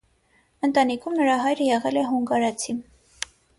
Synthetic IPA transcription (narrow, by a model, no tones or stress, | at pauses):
ənt̪ɑnikʰumnəɾɑɦɑjɾəjɛʁɛlɛɦuŋɡɑɾɑt͡sʰim